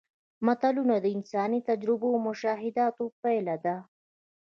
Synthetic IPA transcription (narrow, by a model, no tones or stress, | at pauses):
mat̪alunad̪əɪnsɑnit̪ad͡ʒɾɪbomʊʃɑːɦɪd̪ɑt̪opajlad̪a